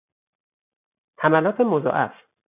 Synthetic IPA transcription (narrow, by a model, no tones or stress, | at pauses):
hæmælɒːt̪ʰemozɒ̰ːʔæ̰f